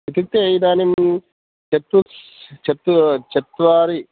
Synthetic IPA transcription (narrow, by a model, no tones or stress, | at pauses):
it̪ik̚t̪eɐjd̪aːnim | t͡ʃɐt̪ːust͡ʃɐt̪ːut͡ʃɐt̪ʋaːɾi